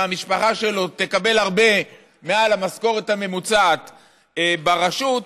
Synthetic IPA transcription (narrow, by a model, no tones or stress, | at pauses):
amiʃpaχaʃe̞lo̞t̪e̞kabe̞lhaʁbe̞ | me̞alamasko̞ʁe̞t̪hame̞mut͡sat̪ | baʁaʃut̪